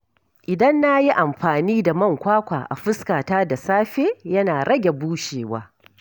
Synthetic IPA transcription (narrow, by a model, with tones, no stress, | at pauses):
ʔɪ˨dɐ˦nːa˦ji˦ʔa˨mɸaː˨niː˦da˨mɐ˦ŋkʷaː˦kʷa̰ː˨ʔa̰˨ɸɪ˦skaː˨taː˦da˨saː˦ɸeː˦jɐ˦naː˨ɽɐ˦ɡʲe˨buː˦ʃeː˨wa̰ː˦